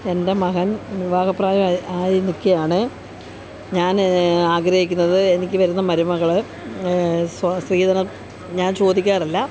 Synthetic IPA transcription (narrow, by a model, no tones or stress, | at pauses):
e̞nde̞mɐɦɐnʋiʋaːɡɐpːraːjɐmaːjinikʲːejaːɳɨ | ɲaːnaːɡɾɐhikʲːunːɐðɨe̞nik̬ʲːɨʋɐɾunːɐmɐɾumɐɣɐɭɨ | ssriːðɐnɐ | ɲaːnt͡ɕo̞ːd̪ikʲːaːrɐlːɐ